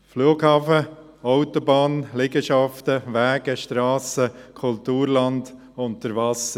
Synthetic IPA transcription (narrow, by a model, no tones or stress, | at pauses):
fluːɡhɑːfə | ɔʊt̪ɔbɑːnlɪɡəʃɑftəʋæːɡəʃtɾɑːsəkʰʊlt̪uːɾlɑnd | ʊntəɾvɑsə